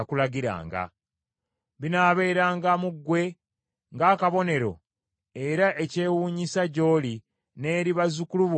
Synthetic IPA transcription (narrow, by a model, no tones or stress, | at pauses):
kulaɡiɾa̰ːŋɡa̰ | βinaːβe̞ːɾaːŋɡamuɡːwe̞ | ŋɡaːkaβo̞ne̞ɾo̰ | e̞ɾaʔe̞ce̞ːwuːɲisaɟo̞ːli | ne̞ːɾiβazukuluβ